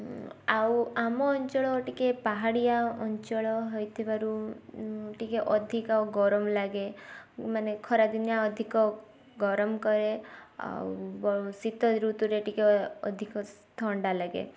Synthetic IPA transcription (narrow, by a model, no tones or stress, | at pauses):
awamɔːɲt͡ʃɔɭɔʈikepaɦaɽijaɔɲt͡ʃɔɭɔɦɔjt̪ʰebaɾu | ʈikeʔɔd̪ʱikawɡɔɾɔmlaɡemanekʰɔɾad̪injaɔd̪ʱikɔ | ɡɔɾɔmkɔɾea̰wbɔusit̪ɔɾut̪uɾeʈikeɔd̪ʱikɔs | t̪ʰɔɳɖalaɡḛ